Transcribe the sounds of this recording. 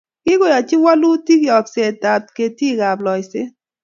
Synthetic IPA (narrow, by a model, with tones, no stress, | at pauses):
kɪ˦ɡo˦˨ja˨t͡ʃɪ˦wa˦lu˦ti˦ɡjɔ˨kse˨ta˨t̚ke˨ti˦˨ɡa˨blɔ˨jsɪ˦